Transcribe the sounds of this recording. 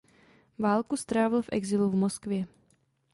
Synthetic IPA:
vaːlkust̪ɾaːvɪlfʔɛ̰ɡzɪluvmoskvjɛ

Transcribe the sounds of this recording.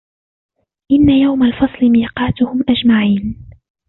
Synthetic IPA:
ʔɪnːajawmalfɑsˤlɪmiːqɑːt̪ʊhʊmʔad͡ʒmaʕiːn

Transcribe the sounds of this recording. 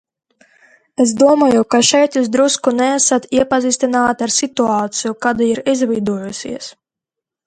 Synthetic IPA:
es̬d̪uɔmaːjukaʃɛjt̪juːzd̪ɾuskunɛasat̪iɛpaziːst̪inaːt̪aɾsit̪uaːt̪sijukad̪aiɾizvid̪uɔjusʲḭɛs

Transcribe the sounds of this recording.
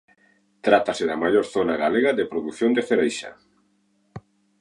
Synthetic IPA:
t̪ɾat̪asɪðamajoɾθonaɣaleɣaðepɾoðuθjond̪efeɾejʃa̰

